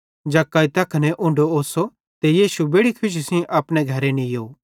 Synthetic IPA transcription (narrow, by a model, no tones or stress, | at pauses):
d͡ʒakaːit̪ɐkʰnɛʔʊ̃ɳɖooːso | t̪ejiːʃubeːɽikʰʊʃ̬sĩʔapɽ̃ɛɡʱɐɾɛnĩjoː